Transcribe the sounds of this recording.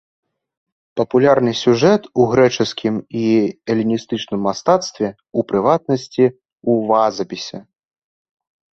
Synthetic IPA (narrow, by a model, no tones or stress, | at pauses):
pɐpulʲarnɨsʲuʐɛt̪uɣɾɛt͡ʂɨskʲimiɛlʲinʲist̪ɨt͡ʂnɨmːast̪at̪st̪vʲɛ | upɾɨvat̪nɐsʲt͡sʲi | uvazɐpʲisʲɛ